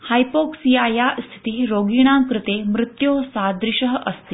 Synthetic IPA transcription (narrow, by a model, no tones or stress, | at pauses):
hajpoksiajast̪ʰi̥t̪iːɾoɡiɽ̃ãŋkɾɨt̪emɾɪt̪josad̪ɾiɕəɦəʔəst̪i